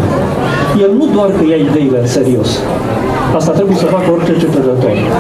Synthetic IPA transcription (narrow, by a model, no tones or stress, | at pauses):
jelnud̪oarkəjaid̪e̞ile̞ɨnse̞ɾio̞s | ast̪at̪ɾe̞buje̞səfakəo̞rt͡ʃet͡ʃet̪əɾət̪o̞̰r